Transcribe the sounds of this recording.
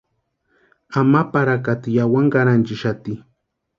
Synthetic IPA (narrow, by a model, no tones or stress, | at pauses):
amapaɾakat̪ɪjawaŋɢaɾant͡ʃɪʃat̪i